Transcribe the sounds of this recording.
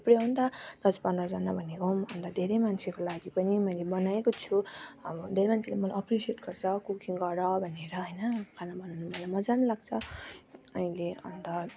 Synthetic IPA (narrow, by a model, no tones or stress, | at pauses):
pɾjʌɦunt̪ʌd̪̥ʌspʌnd̪rʌd͡zʌnabʱʌnekomʌnt̪ʌd̪ʱeɾejmant͡sʰekolaɡipʌnimʌjlebʌnaekot͡sʰuʌbʌd̪ʱeɾemant͡sʰelamʌlajʌprisieʈɡʌrt͡sʰʌkukiŋɡʌɾʌbʱʌneɾʌɦʌjnʌkʰanabʌnawnumʌlajmʌd͡zanlaɡt͡sʰʌ | ʌĩleʌ̰nt̪ʌ